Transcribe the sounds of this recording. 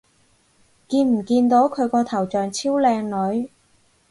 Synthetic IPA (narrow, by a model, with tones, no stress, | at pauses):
kiː˧nm̩˨˩kiː˧nt̪o˨˥wkʰɵ˨˧ɥkɔː˧t̪ʰɐ˨˩wt͡ʃœː˨˩ŋt͡sʰiː˥wlɛː˧ŋlɵ˨˧˥ɥ